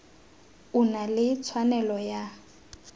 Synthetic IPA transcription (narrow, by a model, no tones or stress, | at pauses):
unalɪt͡sʰwanɛlɔja